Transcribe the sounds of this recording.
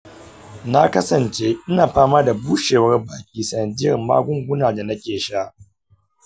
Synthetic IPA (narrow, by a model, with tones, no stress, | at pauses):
na˦kɐ˦sɐ˨nt͡ʃeː˦ʔɪ˦naː˨ɸaː˦maː˦da˨buː˦ʃeː˨wɐ˦rbaː˨kʲiː˦sɐ˨nɐ˨dɪ˦jɐ˨rma̰ː˦ɡʷʊ˦ŋɡʷʊ˦naː˨da˨nɐ˦kʲeː˨ʃa˦ʔ